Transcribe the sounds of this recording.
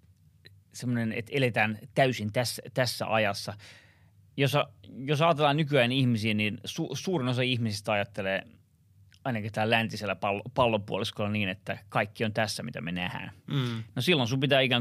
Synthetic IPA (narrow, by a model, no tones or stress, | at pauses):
semːonenḛt̪elet̪æːnt̪æysint̪æsːæt̪æsːæ̰ʔɑjɑsːɑ | josɑjosɑːt̪elːˑɑːnykyæːnihmisiːninsuːsuːrinosɑihmisist̪ɑjɑt̪ːeleː | ɑinɑkit̪æːlænt̪iselːæpɑlːpɑlːopuoliskolːɑniːnet̪ːækɑikːiont̪æsːæmit̪æ̰menæhæ̰ːnnosilːonsumpit̪æːikæŋ